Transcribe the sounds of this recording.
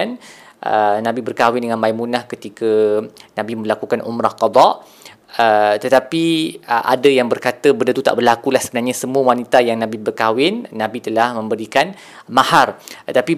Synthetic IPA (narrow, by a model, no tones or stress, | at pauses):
an | ʔə̰nãbibərkawɪndəŋãnmaimunahkət̪ikanãbimə̃lakukanʔṵmɾahqɑd̪ɑʔ | ət̪ət̪apiə̰ʔa̰dajaŋbərkat̪əbəndət̪ut̪a̰ʔbərlakulahsəbənarɲasəmuəwanit̪ajaŋnãbibərkawɪnːãbit̪əlahmə̃mbəɾikan | maharət̪api